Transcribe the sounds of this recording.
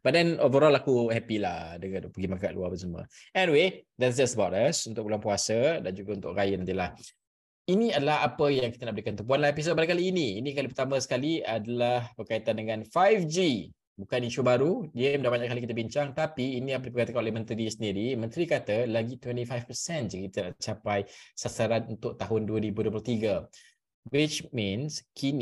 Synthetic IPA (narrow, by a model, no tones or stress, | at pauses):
b̥at̪̚dɛnovəɾɔlakuhɛpilahdəŋapəɡimakaʔlṵapənsəmə̰̃ɛniwed̪ɛtsd͡ʒastəbawtasunt̪ʊk̚bulwaŋpuasədand͡ʒuɡaunt̪ʊ̰kɾajənant̪ilah | iniadəlaɦapəjaŋki̥t̪ənaʔbəɾikant̪ump̬uanlaɦepis̬ot̚baaŋkaliːniːnĩkalipərt̪amə̃sə̥kaliadalahbərkait̪andəŋãnfajfd͡ʒi | bukaniʃubaɾudiəəndabaɲaʔkalikit̪əbiɲt͡ʃaŋt̪apiːnĩapədipəɾkat̪əkanolehmə̃nt̪ɾisəndiɾimə̃nt̪ɾikat̪əlaɡit̪wɛnt̪ifajfpəsɛnd͡ʒakkit̪əna̰ʔt͡ʃapajsasaɾanunt̪ʊk̚t̪aɦʊnduəɾibudoəplʊht̪iɡa | ɡwɪt͡ʃmĩnskʰin